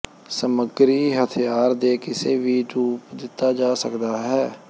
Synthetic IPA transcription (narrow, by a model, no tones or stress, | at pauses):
səməɡɾiːɦət̪ʰjaːɾd̪eːkɪseːʋiːʈuːpd̪ɪt̪ːaːd͡ʒaːsəkd̪aːɦɛː